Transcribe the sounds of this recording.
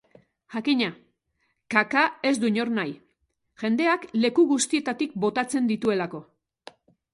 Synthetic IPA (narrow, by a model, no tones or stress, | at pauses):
ʝakiɲa | kakae̞zd̪uɲo̞ɾnaj | ʝe̞nd̪e̞akle̞kuɣust̪ie̞t̪at̪ik̚bo̞t̪at͡se̞nd̪it̪ue̞lako̞